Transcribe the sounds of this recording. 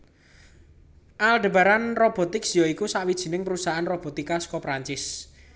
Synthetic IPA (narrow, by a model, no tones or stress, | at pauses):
ʔalɖ̪ə̤baɾanrob̥ɔ̤t̪ɪksijɔikusaʔwid̥ʒ̥i̤nɪŋpɾusaʔanrob̥o̤t̪ikaskɔpɾaɲt͡ʃɪs